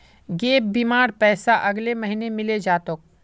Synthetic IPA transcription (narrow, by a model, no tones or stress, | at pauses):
ɡeːp̚biːmaːɾpɛːsaʔɐɡlemɐɦinemɪled͡ʒaːt̪ʊk̚